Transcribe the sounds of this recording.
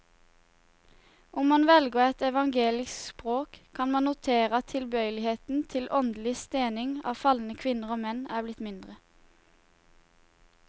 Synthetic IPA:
ʔʊmmɑnʋɛlɡəɛt̪ɛʋɑŋɡeːlɪspʁoːkkʰɑnmɑnʊt̪ʰeːʁət̪ʰɪlbœʏlɪheːt̪n̩t̪ʰɪlʔɔnd̪l̩ɪst̪eːnɪŋɑ̰ːfɑlnəkʰʋɪnəʁoːmɛnæːblɪt̪mɪnd̪ʁə

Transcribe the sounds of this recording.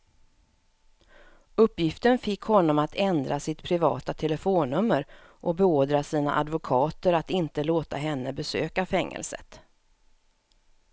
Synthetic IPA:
ɵpːjɪft̪ənfɪkhɔnːɔmat̪ʰɛnd̪ɾʔasɪt̪pʰɾɪvɑ̰ːt̪at̪ʰɛləfoːnɵmːəɾ | ʔɔbɛoːd̪ɾasiːna̰ʔad̪vʊkʰɑːt̪əɾat̪ɪnt̪əloːt̪a̰ɦɛnːəbɛsøːkafɛŋːə̰lsə̰t̪

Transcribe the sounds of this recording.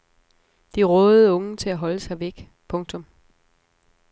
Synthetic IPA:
d̥iʁɔːð̩ˠɔ̽ŋət͡sʰe̝læɦɒ̽ləsɑ̈ɪʋeɡ̥ | pʰɔ̽ŋt͡sʰɔ̽m

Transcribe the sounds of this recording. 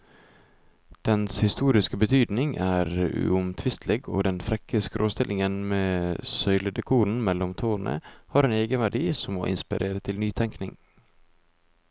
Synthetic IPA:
d̪̥ɛnshɪst̪uːɾɪskəbət̪ʰyːd̪nɪŋʔæːɾʉ̰ʊmt̪ʰʋɪst̪ʰleːɡo̰ːd̪ɛnfɾɛkəskəɾʔoːst̪ɪlʔɪŋənmeːsœʏləd̪əkʰuːn̩mɛlːɔmt̪ʰoːnʔə̰hɑːɾeːneːɡənʋæɖiːsɔmmo̰ːʔɪ̰nspɪɾʔeːɾət̪ʰɪlnyːt̪ʰɛŋknɪŋ

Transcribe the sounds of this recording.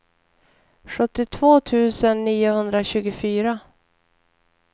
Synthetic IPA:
ɧɵt̪ːɪt̪ʰvoːt̪ʰʉ̟ːsənːiːʊhɵnd̪ɾaɕʉ̟ːɡʊfyːɾa

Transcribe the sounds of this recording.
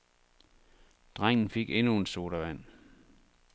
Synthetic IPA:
d̥ʁaŋ̰n̩fe̝ɡ̥enuenso̝ːɾ̥ɐʋæn̰

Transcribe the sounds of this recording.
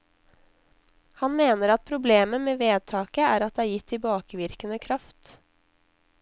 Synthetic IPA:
hɑnmeːnəɾɑt̪̚pʰɾʊbleːməmeːʋeːd̪̚t̪ʰɑːkəæːɾɑt̪̚d̪ɛːæːɾjɪt̪ʰːɪlbɑːkəʋɪɾkənəkʰɾɑft̪

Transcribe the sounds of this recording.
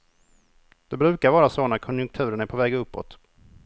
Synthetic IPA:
d̪̥ɛbɾʉ̟ːkaɾvɑːɾasoːnakʰɔnjɵŋk̚t̪ʰʉ̟ːɾənæɾpʰɔvɛːɡɵpːɔ̰t̪

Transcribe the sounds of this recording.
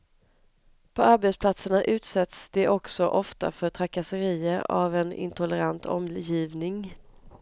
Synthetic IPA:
pʰɔaɾbɛt̪spʰlat̪səɳaʔʉ̟ːt̪sɛt̪sd̪̥ɛʔɔksɔʔɔft̪a̰fœʈ̪ʰɾakasəɾiːəɾa̰vɛnɪ̰nt̪ʰʊləɾant̪ʰɔ̰mjiːvnɪŋ

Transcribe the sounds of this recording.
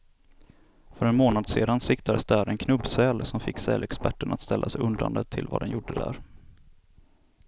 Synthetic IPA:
fœɾɛnmoːnad̪sḛːd̪ansɪkt̪ʰad̪əsd̪æɾɛnkʰnɵbsɛlsɔmfɪkːsɛ̰ːlɛkspæʈːəɳat̪st̪ɛlːasɛjɵnd̪a̰nd̪ət̪ʰɪlva̰d̪ɛnjʊɖːəd̪æ̰ːɾ

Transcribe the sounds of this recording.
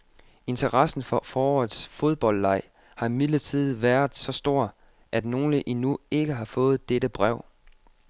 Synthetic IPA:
e̝nt͡sʰɐʁɑsn̩fɒfɒːɒðˠsfo̝ð̞ˠb̥ɒ̽l̰ːɑ̈ɪ̰ | hɑ̈imið̥lət͡sʰið̞̩̰ˠʋæɐðˠsɒ̽sd̥o̝ɐ̰ | ʔæd̥no̝ːləʔinue̝ɡ̥əɦɑ̈fɔ̽ːð̞̩ˠd̥eɾəb̥ʁɛʊ̰

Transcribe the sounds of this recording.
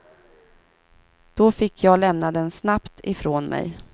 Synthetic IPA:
d̪̥ɔfɪkʰːjɑːlɛmnad̪ɛnsnapt̪ʰɪfɾoːnmʔɛ̰j

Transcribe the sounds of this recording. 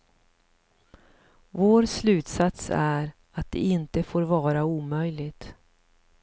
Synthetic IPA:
voːɾslʉ̟ːt̪sat̪sæɾ | at̪̚d̪ɛ̰ɪnt̪əfoːɾvɑːɾauːmœjlɪɡt̪

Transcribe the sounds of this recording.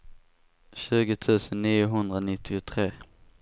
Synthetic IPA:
ɕʉ̟ːɡət̪ʰʉ̟ːsənːiːʊɦɵnd̪ɾanɪt̪ʰːɪʊt̪ʰɾeː

